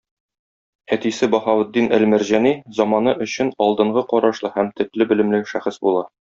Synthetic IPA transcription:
æt̪isɘbɒχɑwɘ̆d̪ːinʔælmæ̆ɾʑænizɒmɑnɤʔɵ̆ɕɘnɒlˠd̪ɤ̆ɴɢɤqɒɾɑʃlˠɤhæmt̪ɘ̆t̪lɘbɘ̆lɘ̆mlɘʃæχɘsbulˠɑ

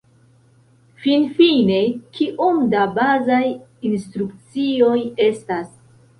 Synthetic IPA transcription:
finfine̞kiʔumdabazajinstɾukt͡sio̞je̞stas

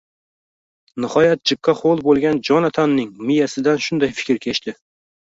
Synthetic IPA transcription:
nɪhɒjat̪̚d͡ʒɪkʰːɑχolˠbolˠɡʲand͡ʒɒnat̪ʰanːɪŋmɪjasɪd̪anʃʊnd̪ajfɪ̥kʲɾkʲʰet͡ʃt̪ɪ

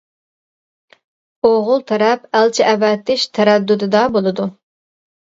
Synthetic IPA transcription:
oʁʊlˠt̪ʰɛɾɛpælt͡ʃʰɪʔɛvɛt̪ʰːɪʃt̪ʰɛɾɛd̪ːud̪ɨd̪ɑbolˠɨd̪u

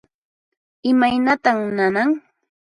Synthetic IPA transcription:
ɪmajnat̪amnanaŋ

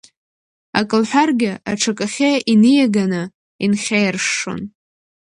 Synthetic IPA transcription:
a̰kʼɨlħʷᶣarɡʲɪʔa̰ʈ͡ʂʰakʼaχʲaʔinɨjaɡanɨ | inχʲejrʂo̰n

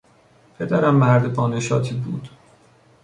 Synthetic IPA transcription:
pʰe̞d̪æɾæmːæɾd̪ebɒːneʃɒːt̪ʰiːbṵːd̪̥

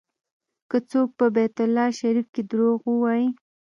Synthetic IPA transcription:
kət͡sok̚pəbɛt̪ʊlːɑʃaɾifked̪ɾoɣwəwɑji

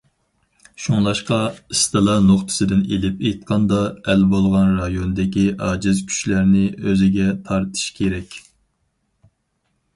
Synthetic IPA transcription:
ʃuŋlˠɑʃqɑɨst̪ɨlˠɑnoχt̪ʰɨ̥sɨd̪ɪnelɪpejt̪̚qʰɑnd̪ɑɛlbolˠʁɑnɾɑjonɨd̪ɪkʲiɑːd͡ʒɨzkʲʰy̥ʃlæɾnɪʔøzɪɡʲɛt̪ʰɑɾt̪ʰɨ̥ʃkʲʰeɾɛkʲ

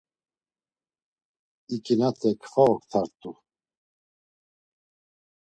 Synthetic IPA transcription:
ikʰʼinat̪ʰʼɛkʰfaɔkt̪ʰaɾt̪ʼu

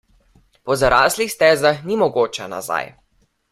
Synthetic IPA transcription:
pɔzaɾaːslixst̪ɛːzaxnimɔɡoːt͡ʃɛna̰za̰j

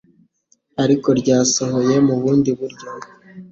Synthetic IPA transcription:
aɾiko̞ɾɟaːso̞ɦo̞je̞muβuːndiβuɾɟo

